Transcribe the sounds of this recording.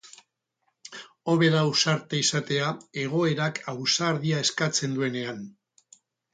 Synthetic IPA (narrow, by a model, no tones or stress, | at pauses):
o̞βe̞ɾausaɾt̪eisat̪e̞ae̞ɣ̞o̞e̞ɾakawsaːɾðiae̞skat͡se̞nd̪ue̞ne̞an